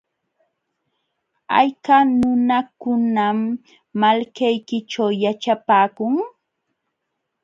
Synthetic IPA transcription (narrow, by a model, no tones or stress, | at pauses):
a̰jkanʊnakʊnamː | alkajkɪt͡ʃawjat͡ʃapaːkʊŋ